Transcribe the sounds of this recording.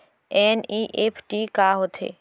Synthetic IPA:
ɛːniʔeːpʰʈikaːɦoːt̪ɦḛː

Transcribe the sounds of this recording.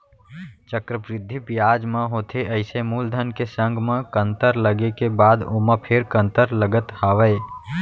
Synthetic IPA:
t͡ʃəkɾəpɾɪd̪ʱːipjaːd͡ʒmãɦoːt̪ʰeʔəɪsemuːld̪ʱənkesə̃ŋɡmãkə̃nt̪əɾləɡekebaːd̪oːmə̃pʰeɾkə̃nt̪əɾləɡət̪haːʋəe

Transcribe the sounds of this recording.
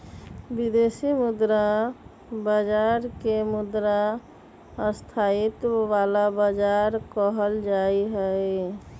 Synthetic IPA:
bid̪esimud̪ɾa | bəd͡ʒaɾkemud̪ɾa | əst̪ʰait̪ʋalabəd͡ʒaɾkəɦəld͡ʒaiɦəj

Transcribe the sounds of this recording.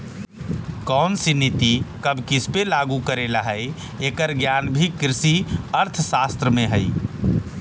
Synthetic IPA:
kɔnsinit̪ikəbkispelaɡukəɾelaɦəj | ekəɾɡjanbʱikɾɪsiəɾt̪ʰəsast̪ɾəmẽɦəj

